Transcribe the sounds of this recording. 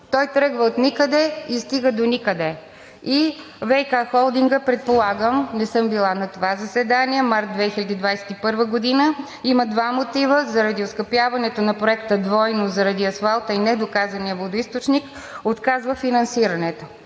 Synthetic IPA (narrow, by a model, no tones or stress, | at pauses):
t̪ɔjt̪ɾəɡvəot̪nikəd̪ɛist̪iɡəd̪onikəd̪ɛ | i | vɛjkaxɔlˠd̪iŋɡəpɾɛt̪̚polˠaɡəmnɛsɤmbilˠanɐt̪ovazɐsɛd̪aniɛmaɾt̪̚d̪vɛxilʲɐd̪iːd̪vajsɛ̥t̪ipɤɾvəɡod̪inə | iməd̪vamot̪ivəzɐɾɐd̪ioskɐpjavɐnɛt̪onɐpɾoɛkt̪əd̪vɔjnozɐɾɐd̪iɐsfalˠt̪əinɛd̪okazɐniəvlod̪oist̪ot͡ʃnik | ot̪kazvəfinɐnsiɾɐnɛt̪o